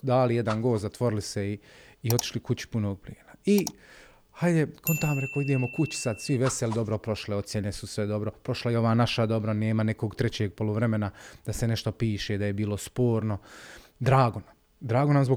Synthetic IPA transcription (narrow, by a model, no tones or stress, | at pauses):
d̪aːlijed̪anɡo̞ːt̪zat̪ʋo̞ɾɪliseiː | o̞t̪i̥ʃlikut͡ɕi̥puno̞ːɡ̚pliːnai | hajd̪ekʰont̪aːmɾekoid̪e̞ːmokut͡ɕi̥sad̪sʋiʋeselid̪o̞bɾopɾo̞ʃleo̞t̪sjenesusʋed̪o̞bɾopɾo̞ʃlajeo̞ʋaːnaʃad̪o̞bɾane̞ːmanekoːɡt̪ɾet͡ɕeːɡ̚po̞luʋɾe̞me̞nad̪̥aseneʃt̪o̞piːʃeːd̪ajebiːlˠospoːɾno̞ | d̪ɾaːɡonam | d̪ɾaːɡonamzbo